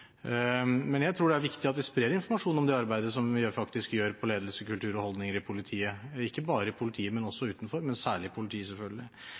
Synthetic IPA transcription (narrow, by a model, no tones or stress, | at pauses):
mɛnjæɪt̪ʰɾuːɖɛæɾʋɪkt̪ɪɑt̪ʋɪspɾeːɾɪnfɔɾmɑʂuːnɔmd̪eːɑɾbæɪd̪əsɔmjfɑkt̪ɪskjøːɾpʰɔleːd̪əlsəkʉlt̪ʰʉːɾɔhɔld̪nɪŋəɾɪpʰʊlɪt̪ʰiːəɪkːəbɑːɾəɪpʰʊlɪt̪ʰiːəmɛnɔsːɔʉːt̪n̩fɔɾmɛnsæːɭɪpʰʊlɪt̪ʰiːsɛlfœlɡəlɪ